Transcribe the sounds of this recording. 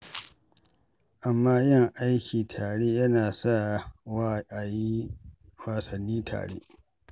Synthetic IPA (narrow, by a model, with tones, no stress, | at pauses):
ʔa˨mːaː˦jɪ˦ŋʔa˦jkʲiː˨tʰaː˨ɽeː˦jɐ˦naː˨sa˦˨ | a˨ji˦ | waː˨sɐ˨nːiː˦tʰa̰ː˨ɽḛ˦